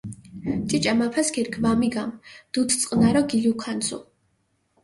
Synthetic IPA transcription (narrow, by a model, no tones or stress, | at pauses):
t͡ʃʼit͡ʃʼamapʰasɡʰiɾkʰvamiɡamd̪̥ut̪ʰt̪sʼqʼnaɾɔɡiliukʰansʰṵ